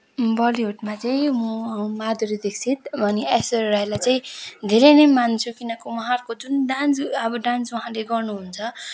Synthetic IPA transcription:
bʌliɦuʈmat͡saĩmumad̪uɾid̪eksʰit̪̚bʱʌniesʌrajlajt͡saĩd̪ʱeɾʌjnʌjmant͡sʰukinʌkomʌɦarkod͡zunɖant͡sʌbʌɖãnswʌɦãleɡʌrnuɦunt͡sʰʌ

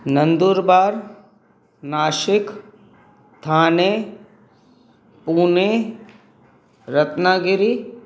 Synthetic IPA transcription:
nə̃nd̪uːɾbaːɾ | naːʃɪk | t̪ʰaːne | puːne | ɾɐt̪naːɡɪɾi

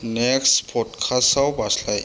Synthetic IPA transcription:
neksʈpʰɔʈkʰasawbʱaslaj

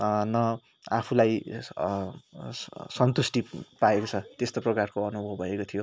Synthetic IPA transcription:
nʌ | apʰulaj | sʌnt̪usʈipaekot͡sʰʌt̪est̪oprʌkarkoʌnubʱʌbʱʌekot̪ʰijo

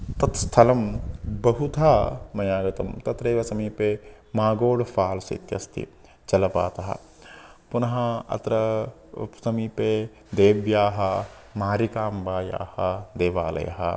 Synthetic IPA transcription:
t̪ɐt̪st̪ʰɐlɐmbɐɦut̪ʰaːmɐjaːɡɐt̪ɐmt̪ɐt̪ɾeːʋɐsɐmipe | maːɡoːɽfʰaːlsɐ̰t̪jɐ̰st̪ʰḭ | t͡ʃɐlɐpa̰ːt̪ɐɦɐ̰ | punɐɦɐɐ̰t̪ɾɐ | sɐmipe | d̪eːʋjaːɦɐmaːɾikaːmbaːja̰ːhɐ̰d̪eːʋa̰ːlɐ̰jɐ̰ɦɐ̰

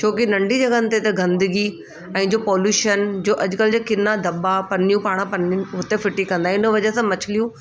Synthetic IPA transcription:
t͡ɕʰoːkɪnɐ̃ɳɖʱid͡ʑɐɡənɪt̪et̪ɐɡɐ̃nd̪əɡi | ɛ̃ːd͡ʑoːpɔːljuːʃənd͡ʑoːʔɐd͡ʑʊkəld͡ʑekɪnːad̪ɐɓapɐnijũpaːɽ̃pɐnɦʊt̪efɪʈikɐ̃nd̪aɦɛ̃ɪnə̆ʋɐd͡ʑəsãmɐt͡ɕʰɪlijũ

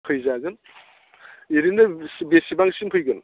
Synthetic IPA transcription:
pʰɯjzaɡɯn | iɾinɯsbesibaŋsimpʰɯjɡɯn

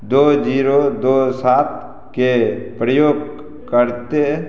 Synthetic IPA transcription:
d̪oːd͡ʒiːɾod̪oːsaːt̪̚ | kepɾəjoːɡ | kəɾt̪e

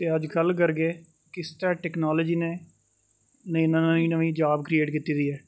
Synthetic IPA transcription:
t̪eːəd͡ʒɡəlkəɾɡeː | kɪst̪əɾãːʈɛːknaːləd͡ʒiːneː | nəĩːnãnəĩːnəʋĩːd͡ʒaːbkɾieːʈkit̪iːd̪iːɦɛː

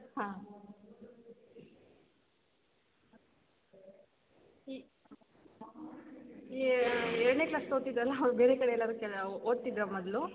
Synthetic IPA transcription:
ɦãː | i | ɛɾɽneklaːsod̪t̪id̪ɾɐlːɐbeːɾekɐɽeɛlːaːɾukɛoːd̪̚t̪id̪ɾɐmɔd̪lu

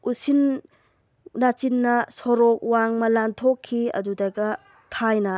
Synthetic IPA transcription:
usin | nat͡ʃinːɐsɔɾɔk̚waŋmɐlantʰokʰːiɐ̰dudaɡɐ | tʰajnɐ

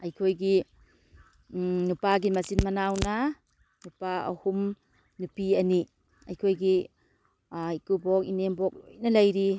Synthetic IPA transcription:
ɐjkʰojɡi | nupaɡimɐsinmɐnawna | nupaɐ̰hum | nupiɐni | ɐjkʰojɡi | ikubɔk̚inembɔk̚ojnɐlɐjɾi

